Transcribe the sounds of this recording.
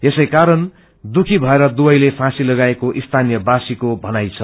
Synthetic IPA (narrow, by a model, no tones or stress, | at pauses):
esʌjkaɾʌn | d̪ukʰibʱʌeɾʌd̪ubʌjlepʰãsilʌɡaekoʔist̪ʰanijʌbasikobʱʌnajt͡sʰʌ